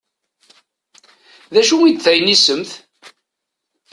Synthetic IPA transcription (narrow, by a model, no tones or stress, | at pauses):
ðæʃuwid̪θæjnisəmθ